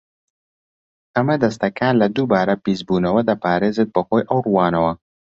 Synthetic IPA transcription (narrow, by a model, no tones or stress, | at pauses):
amad̪əs̬t̪akaːnlad̪ubɑːɾapizbunawad̪əpɑːɾezɪd̪̚pəxojʔawɾuwɑːnawa